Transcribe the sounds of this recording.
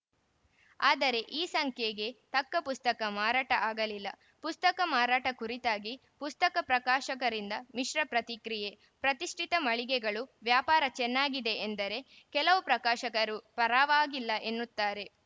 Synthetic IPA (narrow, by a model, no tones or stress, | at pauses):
aːd̪ɐɾe̞ʔiːsɐŋkʰjeɡe̞t̪ɐkːɐpust̪ɐkɐmaːɾaːʈɐʔaːɡɐlilːɐ̰ | pust̪ɐkɐmaːɾaːʈɐkuɾit̪aːɡi | pust̪ɐkɐpɾɐkaːʃɐkɐɾind̪ɐmiʃɾɐpɾɐt̪ikɾije̞ | pɾɐt̪iʂʈʰit̪ɐmɐɭiɡɛɡɐɭuʋjaːpaːɾɐt͡ʃɛnːaːɡid̪e̞end̪ɐɾe̞ | kɛlɐʋupɾɐkaːʃɐkɐɾupɐɾaːʋaːɡilːɐʔe̞nːut̪ːaːɾe̞